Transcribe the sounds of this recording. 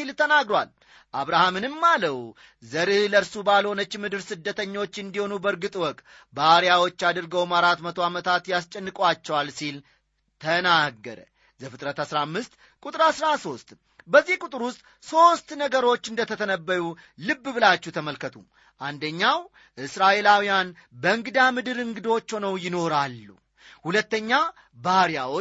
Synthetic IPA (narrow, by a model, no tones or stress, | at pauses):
ilt̪ʰənaɡɾowa̰l | ʔaβɾahamɨnɨmːaləw | zəɾɨhləɾsubalho̞nət͡ʃːmɨd̪ɨɾsɨd̪ːət̪ʰəɲːo̞t͡ʃːɨnd̪iho̞nubəɾɡɨt̪ʼwɔk̪ʼ | baɾijawo̞t͡ʃːad̪ɨɾɡəwmaɾat̪mət̪ʰo̞amət̪ʰat̪jast͡ʃʼənːɨkʼwat͡ʃːɛwalsil | t̪ʰənaɡːəɾə̰ | zəfɨt̪ʼɾət̪asɾamːɨst̪ | kʼut̪ʼɨɾasɾaso̞st̪ | bəzːihkʼut̪ʼɨɾwʊst̪ʼ | so̞st̪nəɡəɾo̞t͡ʃːɨnd̪ət̪ʰət̪ʰənəbːəɾu | lɨbːɨbɨlat͡ʃːuht̪ʰəməlkʰət̪ʰṵ | ʔand̪əɲːaw | ʔɨsɾaʔe̞lawijan | bəɨŋɡɨd̪amɨd̪ɨɾɨŋɡɨd̪o̞t͡ʃːonəwjɪno̞ɾalːṵ | hulət̪ːəɲːa | baɾjawo